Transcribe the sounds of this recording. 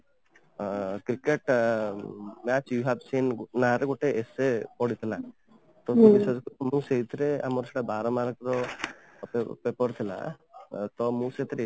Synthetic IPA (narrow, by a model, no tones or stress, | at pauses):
kɾikeʈ | mat͡ʃjuɦabsinnaɾeɡoʈeesepɔɽit̪ʰila | t̪ɔt̪obisɔd͡ʒmũseɦit̪ʰiɾea̰mɔɾɔseʈabaɾɔmaɾɡɾɔ | pepɔɾt̪ʰila̰t̪ɔmũseɦit̪ʰiɾe